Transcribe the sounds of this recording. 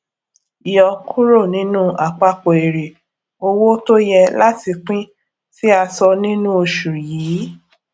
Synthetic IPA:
i˨jɔ˨kʰu˦ɾo˦˨nĩ˨˦nũ˦a˨k͡pa˧k͡po˨e˨ɾe˨ | o˧wo˦to˦jɛ˧la˦ti˧k͡pĩ˦ | si˦a˧sɔ˧nĩ˦nũ˦o˧ʃu˨ɾjiː˨˦

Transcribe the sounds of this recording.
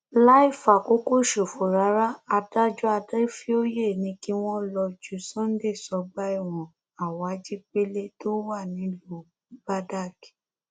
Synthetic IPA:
la˦i˦˨fa˨ko˨˦ko˦˨ʃo˨fo˨ɾa˨˦ɾa˦a˧da˦d͡ʒu˦a˧dɛ˦fi˦o˦je˦˨nĩ˧ki˦w̃ɔ̃˦lɔ˧d͡ʒu˨˦sɔ̃˦n̩˦de˦˨sɔ˧˦ɡ͡ba˦i˦˨w̃ɔ̃˨ | a˨wa˨˦d͡ʒi˦k͡pe˦le˦to˦wa˦˨nĩ˨˦lo˦˨˦ | ba˦da˦˨ki̥˨

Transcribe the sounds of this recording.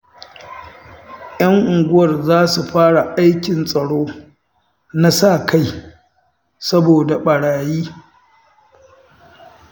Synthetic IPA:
j̰ɐ˦ŋʔʊ˨ŋɡʷʊ˦wɐ˨rzaː˦su˨ɸaː˦ɽa˨ʔa˦jkʲɪ˨nsʼɐ˨ɽoː˦ | na˦sa˦˨ka˦j | sɐ˦boː˨da˨ɓɐ˨ɽaː˨jiː˦

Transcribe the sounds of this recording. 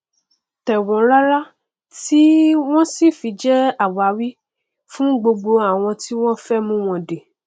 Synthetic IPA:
tɛ˨wɔ̃˨˦la˦la˦ | ti˦w̃ɔ̃˦si˦˨fi˨˧˦d͡ʒɛ˦a˦˨wa˨˦wi˦ | fũ˦ɡ͡bo˧ɡ͡bo˧a˦˨w̃ɔ̃˧ti˦w̃ɔ̃˦fɛ˦mũ˦w̃ɔ̃˧de˨

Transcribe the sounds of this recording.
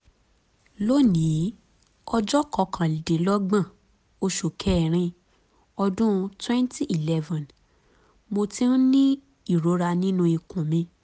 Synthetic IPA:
lo˦nĩ˨˦ | ɔ˧d͡ʒɔ˦kɔ˧kʰã˨de˨˦lɔ˦ɡ͡bã˦˨ | o˧ʃu˨kʰɛ˨˦˨ɾ̃ĩ˧ | ɔ˧dũ˦˧twɛ̃˦nti˦i˨lɛ˦vã˨n | mo˧tĩ˦nĩ˦ | i˦˨ɾo˨˦ɾa˧nĩ˦nũ˧i˧kũ˨mĩ˧

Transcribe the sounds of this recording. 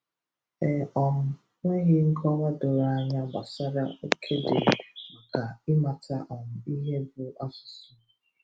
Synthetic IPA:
ɛ˨ɔ˨m̩˨ | ŋʷe˦ɦɪ˦ŋ̩˦kʰɔ˦ɾa˦dʊ˨ɾa˨a˨ɲa˦ba˨sa˦ɾa˦o˦kʰe˦dɪ̰˨ma˨ka˨ɪ˦ma˨ta˦ʔɔ˨m̩˨i˦ɦe˦bʊ˨a˦sʊ̥˨sʊ˨˦

